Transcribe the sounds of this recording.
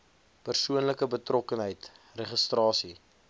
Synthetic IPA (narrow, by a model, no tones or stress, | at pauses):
pərsuənləkəbətrɔkənɦəjtrɛχəstrɑːsi